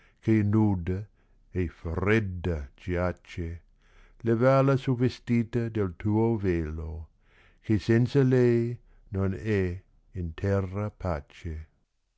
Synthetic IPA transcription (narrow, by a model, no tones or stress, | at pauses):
kʰenuːda | efredat͡ʃiat͡ʃe | levalasuvest̪iːt̪ad̪elt̪uːoveːlo | kʰesɛnt̪sɐlɛj | nonɛ | int̪ʰɛrːapʰaːt͡ʃe